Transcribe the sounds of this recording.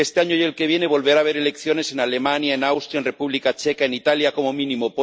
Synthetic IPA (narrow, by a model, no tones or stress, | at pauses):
est̪e̞aɲoje̞lke̞β̞je̞ne̞β̞o̞lβeɾaβe̞ɾe̞le̞kθjo̞ne̞se̞nale̞mãnjaenawst̪ɾjaenre̞puβlikat͡ʃe̞kaenit̪aljako̞momĩnimopo